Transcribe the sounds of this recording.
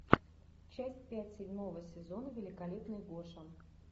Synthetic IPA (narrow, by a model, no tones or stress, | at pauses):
t͡ɕæsʲtʲpʲætʲsʲɪdʲmo̞vəsʲɪzo̞nəvʲɪlʲɪkɐlʲepnɨjɡoʂən